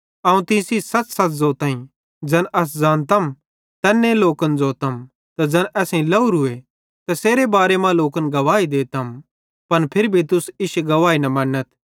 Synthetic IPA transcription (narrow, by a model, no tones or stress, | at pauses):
aːũt̪ɪ̃sisɐt͡ssɐtzoːt̪ãːĩ | d͡ʒɐnɐs̬d͡zaːnt̪ɐm | t̪ɛːnːẽloːkənd͡zoːt̪ɐm | t̪ad͡zɐnʔɛːsẽlɐuɾʊe | t̪ɐseːɾebaːɾemãloːkənɡɐʋaːid̪eːt̪ɐm | pɐnpʰɪɾbʱit̪ʊsɪʃɡɐʋaːinɐmɐ̃ːnːət̪